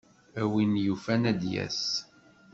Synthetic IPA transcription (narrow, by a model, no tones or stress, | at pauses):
æwinjufænæd̪jæ̰s